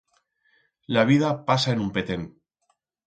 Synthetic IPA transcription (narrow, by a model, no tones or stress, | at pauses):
laβ̞ið̞apasaenumpe̞t̪eŋ